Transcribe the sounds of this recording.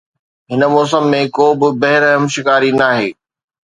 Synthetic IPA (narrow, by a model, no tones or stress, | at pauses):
ɦɪnə̆mɔːs̬əmːẽkoːbɪbɐɦɪɾɦɐmʃɪkaːɾinaːɦeː